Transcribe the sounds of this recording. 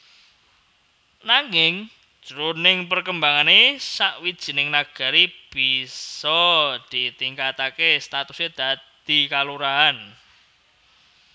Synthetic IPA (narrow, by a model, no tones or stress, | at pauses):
naŋɪŋ̥ | ʒ̥ɾonɪŋpərkəmbaŋanesaʔwid̥ʒ̥i̤nɪŋnaɡ̥a̤ɾib̥isɔd̪̥i̤t̪iŋkat̪akest̪at̪used̪̥a̤d̪̥i̤kaluɾaan